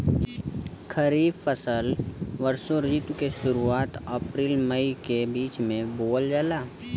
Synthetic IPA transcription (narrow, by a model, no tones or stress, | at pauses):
kʰəɾiːbfəsəlʋəɾsoɾiːt̪wkeʃʊɾuaːt̪ɐpɾiːlməikebiːt͡ʃmẽboːld͡ʒaːlaː